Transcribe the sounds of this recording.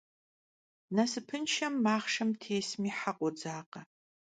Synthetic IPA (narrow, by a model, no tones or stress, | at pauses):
nɐsɨpʰɨnʃɐmːaːχʂɐmtʰeːsmiːħaqʷʼɔd͡zaːqɐ